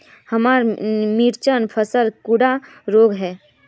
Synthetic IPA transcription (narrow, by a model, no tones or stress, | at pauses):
həmaːɾmiɾt͡ʃənpʰəsəlkuɽa | ɾoːɡɦɛː